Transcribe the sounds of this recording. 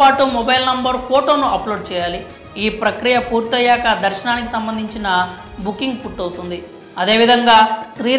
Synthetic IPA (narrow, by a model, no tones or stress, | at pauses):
aːʈumɔbɐjlnɐmbɐɾpʰoːʈo̞ːnuʔɐploːɖ̚t͡ʃɛːjaːli | iːpɾɐkɾijɐpuːɾt̪ɐjaːkɐd̪ɐɾʃɐnaːnikisɐmbɐnd̪ʱiɲt͡ʃinɐ | bukːiŋɡpuʈːɐwut̪und̪i | ɐd̪e̞ːʋid̪ʱɐŋɡaːʃɾiː